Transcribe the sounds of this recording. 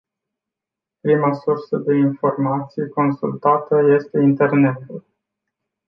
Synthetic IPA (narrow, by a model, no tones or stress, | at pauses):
pɾimasursəd̪e̞info̞rmat̪sijko̞nsult̪at̪əje̞st̪e̞int̪e̞rne̞t̪ul